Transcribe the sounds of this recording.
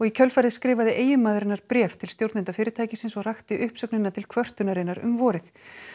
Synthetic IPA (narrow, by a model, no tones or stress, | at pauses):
ɔɣicʰœlfajɾðɪskɾɪːvaðɪʔeːjʏmaːðɾɪnːaɾpɾɛːft̪ʰɪlst̪jowɾt̪nɪnt̪afɪːɾɪɾt̪ʰaːjcɪsɪnsɔɣr̥axt̪ɪʔʏhpsœknɪnːat̪ʰɪlkʰvœr̥t̪ʏnaɾɪnːaɾʏ̰mvɔːɾɪθ